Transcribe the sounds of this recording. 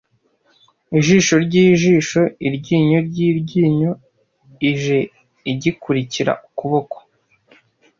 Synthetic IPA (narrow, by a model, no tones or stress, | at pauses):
iʒiːʃo̞ɾɟiːʒiːʃo̞iɾɟiːɲoɾɟiːɾɟiːɲo̞ | iʒe̞ | iɟikuɾiciɾa̰ʔukuβo̞ko̥